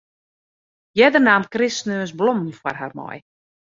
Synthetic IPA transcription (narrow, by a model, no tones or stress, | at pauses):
jɛdərnaːmkrɪsnøənsblɔm̩fwarɦa̰rmɔ̰j